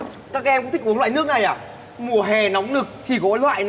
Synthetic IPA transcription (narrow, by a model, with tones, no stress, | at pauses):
kaː˦˥k̚ːmkŋ͡mt̪ʰi˦˥k̚ʔnlwaː˧˨nɨ˦˥ək̚na˨˩jʔaː˨˩ | mu˨˩əɦɛ˨˩nɔ˨˦wŋ͡mnɨ˨˩k̚t̪ʰi˨˩ɣɔ˧˦lwa̰ː˧˨jn